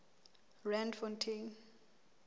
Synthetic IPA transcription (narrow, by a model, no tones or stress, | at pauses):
rãndfɔntʰin